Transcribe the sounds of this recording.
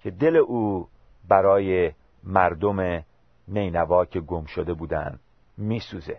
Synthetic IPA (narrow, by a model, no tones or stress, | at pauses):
cʰe̞d̪e̞le̞ʔuː | bæɾɒːje | mæɾd̪o̞me | me̞jnævɒːcʰe̞ɡomʃod̪e̞buːd̪æ̰nd̪̥ | miːsuːze